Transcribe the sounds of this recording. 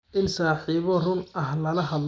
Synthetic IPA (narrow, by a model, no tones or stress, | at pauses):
ʔɪnsaːħiːβɔrʊnɐɦlɐlɐɦɐd̪l